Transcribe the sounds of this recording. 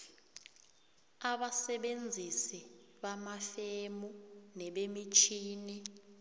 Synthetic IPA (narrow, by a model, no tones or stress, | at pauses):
aɓasɛɓend͡zʱisi | ɓamafemunɛɓemit͡ʃʰiːni